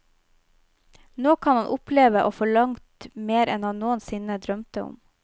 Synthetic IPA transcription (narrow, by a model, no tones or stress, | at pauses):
noːkʰɑnhɑnʔʊpʰleːʋəʔoːfɔɭɑŋt̪meːɾɛnɑnnoːənsɪnəd̪ɾœmt̪əʊ̰m